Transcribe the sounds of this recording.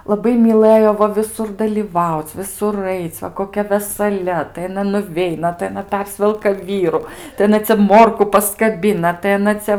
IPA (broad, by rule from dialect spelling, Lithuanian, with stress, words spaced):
lˠɐˈbɐɪ mʲiːˈlˠɘjoː ˈʋɐ ʋʲɪˈsʊr dɐlʲiːˈʋɐʊt͡s ʋʲɪˈsʊr ˈɐɪt͡s ʋɐ koːˈkʲɛ ʋʲɛsɐˈlʲɛ tɐɪ ɐˈnɐ nʊˈʋʲɛɪnɐ tɐɪ ɐˈnɐ ˈpʲɛrʲsʲʋʲɛlˠkɐ ˈʋʲiːrʊ tɐɪ ɐˈnɐ t͡sʲɛ ˈmoːrkʊ pɐskɐˈbʲɪnɐ tɐɪ ɐˈnɐ t͡sʲɛ